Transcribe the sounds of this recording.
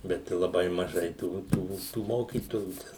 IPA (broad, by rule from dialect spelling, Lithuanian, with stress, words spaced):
ˈbʲɛt ɪ lˠɐˈbɐɪ mɐˈʒɐɪ ˈtuː ˈtuː tuː ˈmoːkʲiːtoːjuː ˈtʲɛn